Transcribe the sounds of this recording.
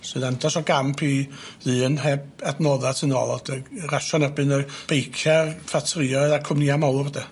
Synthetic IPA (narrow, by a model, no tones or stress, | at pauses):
sɨðandɔsɔɡampʰiðɨːnhɛb | adnɔðatʰɨnɔ̰lˠɔd̥əraʃɔnɛrbɨnɔb̥ejkʰjafatʰrɪɔɨðakʰʊmniamawvadɛ